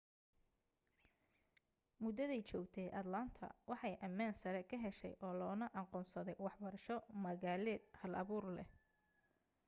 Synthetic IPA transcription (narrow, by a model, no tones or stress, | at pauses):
mʊd̪ɐðɛjt͡ʃɔːɡt̪ʰɛːʔɐd̪lɐnt̪ʰɐ̰wɑħɑjʔɐmaːnsɐɾɛkʰɐɦɛʃɛ̰jʔɔːlɔːnɐʔɑqɔːnsɐðɛjwɑħbɐɾɐʃɔmɐɣaːlɛːd̪̚hɐlʔɐ̰βuːrlɛ̰